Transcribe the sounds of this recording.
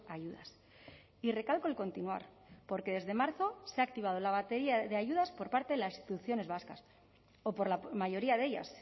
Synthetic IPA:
aʝuða̰s | ire̞kalko̞elko̞nt̪inua̰ɾ | po̞ɾke̞ðe̞zðe̞maɾθo̞seak̚t̪iβ̞að̞o̞laβ̞at̪e̞ɾiaðe̞aʝuðaspo̞ɾpaɾt̪eðelasi̥st̪i̥t̪uθjo̞ne̞zβaskas | opo̞ɾlamaʝo̞ɾiaðe̞ʝa̰s

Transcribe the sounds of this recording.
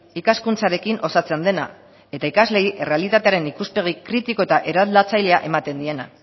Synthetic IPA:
ikaskunt͡saɾe̞kino̞sat͡send̪e̞na̰ | e̞t̪aikazle̞iʔe̞re̞alit̪at̪e̞aɾe̞nikuspe̞ɣ̞ikɾit̪iko̞et̪aʔe̞ɾaðlat͡sajle̞aʔe̞mat̪e̞nd̪ie̞na̰

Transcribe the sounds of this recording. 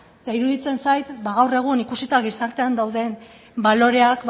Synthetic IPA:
t̪aiɾuðit͡se̞nsajt̪baɣ̞awre̞ɣ̞unikusit̪aɣ̞isaɾt̪e̞and̪awðe̞n | balo̞ɾe̞akb

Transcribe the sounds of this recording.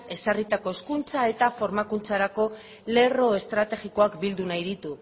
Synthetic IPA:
e̞sarit̪ako̞eskunt͡sae̞t̪afo̞ɾmakunt͡saɾako̞ | le̞ro̞e̞st̪ɾat̪e̞ɣiko̞akbild̪unajðit̪u

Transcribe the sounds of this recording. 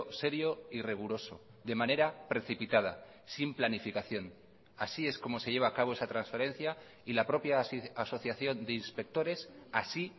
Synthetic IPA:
se̞ɾjo̞iriɣ̞uɾo̞so̞̰ | ðe̞mãne̞ɾapɾe̞θipit̪að̞a̰ | simplanifikaθjo̞n | asie̞sko̞mo̞se̞ʝe̞β̞aːkaβ̞o̞e̞sat̪ɾansfeɾe̞n̟θja | ilapɾo̞pjaaso̞θjaθjo̞nd̪e̞inspe̞k̚t̪o̞ɾe̞sasi

